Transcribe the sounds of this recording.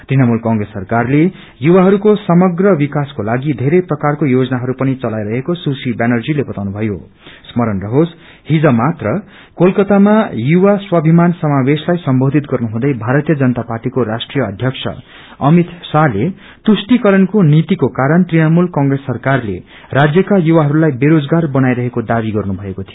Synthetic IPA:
t̪rinʌmulkʌ̃ŋɡɾesːʌrkarle | juwaɦʌɾukosʌmʌɡrʌbikaskolaɡid̪ʱeɾʌjprʌkarkojod͡zʌnaɦʌɾupʌnit͡sʌlajɾʌɦekosusibenʌrd͡zilebʌt̪awnubʱʌjo̰ | smʌɾʌnrʌɦos | hid͡zʌmat̪rʌ | kolkʌt̪amajuwaswʌbʱimansʌmaweslajsʌmbod̪ʱit̪ɡʌrnuɦũd̪ʌjbʱaɾʌt̪ijʌd͡zʌnʌt̪aparʈikoɾasʈrijʌːd̪ʱjʌksʰʌ̰ | ʌmit̪sale | t̪usʈikʌɾʌnkonit̪ikokaɾʌnt̪rinʌmulkʌŋɡresːʌrkarle | rad͡zjʌkajuwaɦʌɾulajbeɾod͡zɡarbʌnajɾʌɦekod̪abiɡʌrnubʱʌekot̪ʰijo

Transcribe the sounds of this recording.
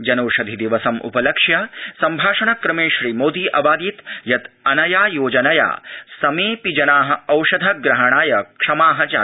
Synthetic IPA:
d͡ʒɐnɐːʂɐd̪ʱid̪iʋɐsɐmʔṵpɐlɐkʂjɐsɐmbʱaːʂɐɳɐkɾɐmeːʃɾiːmoːd̪iːʔɐbaːd̪it̪jɐt̪ɐnɐjaːjoːd͡ʒɐnɐja̰ːsɐmeːpid͡ʒɐnaːɦɐ̆ɐwʃɐd̪ʱɐɡɾɐɦɐɳ̃aːjɐkʂɐmaːɦɐ̆t͡ʃaː

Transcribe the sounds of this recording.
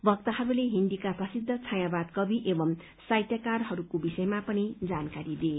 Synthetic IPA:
bʱʌk̚t̪ʌɦʌɾuleɦind̪ikaprʌsid̪ʱːʌt͡sʰaj̃abad̪kʌbʱiʔebʌm | sajt̪jakarɦʌɾukobisʌjmapʌnid͡zankaɾid̪e

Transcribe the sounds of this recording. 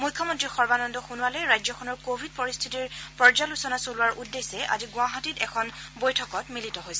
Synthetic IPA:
mujkʰːɔmɔntɹixɔɹbanɔndɔxunuwalɔjɹajzɔkʰɔnɔɹkobʱid̚pɔɹist̪ʰitiɹpɔɹd͡ʒalusɔnasolʊwaɹʔudːesɛʔa̰ziɡʊaɦatitɛkʰɔnbojtʰɔkɔtmilitɔɦojsɛ

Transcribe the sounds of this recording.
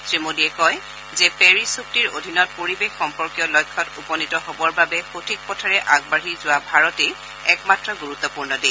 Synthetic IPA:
sɹemodiɛkɔj | zɛpɛɹisuk̚tiɹo̰dʱinɔt̚poɹibexːɔmpɔɹkijɔlɔjkʰːɔtupɔnitɔɦobɔɹbabɛxotʰik̚pɔtʰaɹɛʔaɡ̚baɹizʊwabʱaɹɔte | ɛkmatɹɔɡuɹut̪ːɔpuɹnɔde

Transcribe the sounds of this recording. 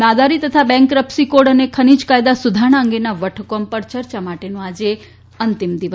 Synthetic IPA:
nad̪aɾit̪ət̪ʰabɛ̃ŋkɾəpsikoɖənekʰənid͡ʒkajd̪asud̪ʱaɽ̃aə̃ŋɡenaʋəʈʰəkompəɾt͡ʃəɾt͡ʃamaʈenũad͡ʒe | ənt̪imd̪iʋə

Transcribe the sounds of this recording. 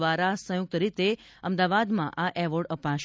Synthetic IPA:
aɾasə̃juk̚t̪əɾit̪e | əmd̪aʋad̪mãʔaʔɛʋəɾɖəpaʃ

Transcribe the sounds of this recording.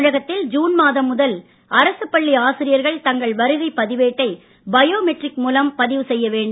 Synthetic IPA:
ɻɐɣɐt̪ːɪld͡ʒuːnmaːðɐmːʊðɐl | ɐɾɐsɯpːɐɭːiaːsɪɾɪjɐɾɣɐɭt̪ɐŋɡɐɭʋɐɾɪɾɐɪpːɐðɪʋeːʈːɐɪ | bɐjoːmɛʈrɪkmuːlɐmpɐðɪʋɯsɛjːɐʋeːɳɖ

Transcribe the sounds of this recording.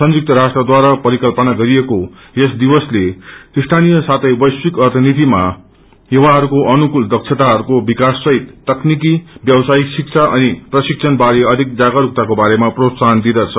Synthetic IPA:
sʌnjuk̚t̪ʌɾasʈrʌd̪waɾapʌɾikʌlpʌnaɡʌɾijeko | esd̪ibʌsleist̪ʰanijʌsat̪ʰʌjbʌjswikʌrt̪ʰʌnit̪ima | jewaɦʌɾukoʔʌnukuld̪ʌk̚t͡ʃʰet̪aɦʌɾukobikasːʌɦit̪ːʌknikibjʌbsaiksik̚t͡sʰaʔʌniprʌsikt͡sʰʌnbaɾeʌd̪ʱik̚d͡zaɡaɾuk̚t̪akobaɾemaprot̪sand̪id̪ʌt͡sʰʌ

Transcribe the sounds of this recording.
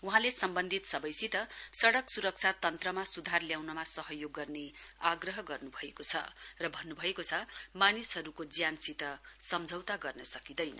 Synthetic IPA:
uɦãlesʌmbʌnd̪ʱit̪sʌbʌjsit̪ʌsʌɽʌksuɾʌk̚t͡sʰat̪ʌnt̪rʌmasud̪ʱarljawnʌmasʌɦʌjoɡːʌrneaɡrʌɦʌɡʌrnubʱʌekot͡sʰʌ̰rʌbʱʌnːubʱʌekot͡sʰʌmanisɦʌɾukod͡zjansit̪ʌsʌmd͡zʱʌwt̪aɡʌrnʌsʌkid̪ʌjnʌ̰

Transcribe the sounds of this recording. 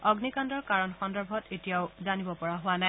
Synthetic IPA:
ɔɡnikandɔɹkaɹɔnxɔndɔɹbʱɔtetijaʊzanibɔpɔɹaɦʊwana

